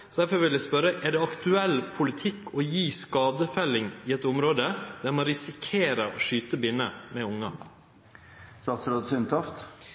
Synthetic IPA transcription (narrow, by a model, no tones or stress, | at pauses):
ɔd̪æɾfɔɾʋɪljæɪspœɾəʔɛɖɛɑkt̪ʉɛlːpʰʊlɪt̪ʰɪkːɔjiːskɑːd̪əfɛlːɪŋɪɛt̪ʊmɾoːd̪əd̪̥æɾmɑɾɪsɪkʰeːɾəɔʂyːt̪əbɪnəmɛʊŋːɑ̰ | st̪ɑːt̪sɾoːd̪sʏnt̪ʰɑft̪